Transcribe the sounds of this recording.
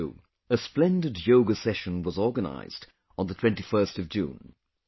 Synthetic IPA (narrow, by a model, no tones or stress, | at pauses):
ɨsplɛ̃ndɨdjoʊɡəsɛʃɨ̃nwʌzɔɹɡəna̰ɪz̥d | n̩ðətʰw̥ɛ̃ntifɜ˞stʌvd͡ʒʉ̰̃n